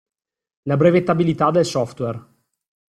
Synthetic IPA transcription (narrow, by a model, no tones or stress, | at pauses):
labɾɛːvet̪abilit̪ad̪elsɔft̪wɛr